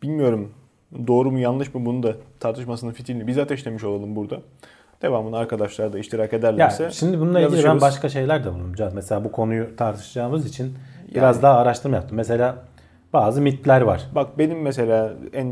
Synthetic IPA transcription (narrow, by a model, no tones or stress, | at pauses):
b̥ilʲmijo̞ɾum | d̪o̞ːɾumujanlˠɯʃmɯbunud̪at̪ʰaɾt̪ʰɯʃmasɯnɯnfit̪ʰilinʲibizd̪at̪ʰɛiʃlʲemiʃo̞lˠalˠɯmbuɾd̪a | d̪̥e̞vaːmɯnaɾkʰad̪aʃlˠaɾd̪aiʃt̪ʰiɾake̞d̪æɾlʲjasɛʃimd̪ibununːˠaiilʲibænbaʃkaʃe̞jlʲæɾd̪abulˠumd͡ʒazmese̞lʲaːbukʰo̞nujut̪ʰaɾt̪ʰɯ̥ʃɯd͡ʒaːmɯzit͡ʃʰinbḭɾazd̪aɦaːɾaʃt̪ʰɯɾmajap̚t̪ʰɯmːes̬e̞lʲaː | baːzɯmit̪lʲæɾvaɾ̝̥bak̚be̞nimːese̞lʲaːæn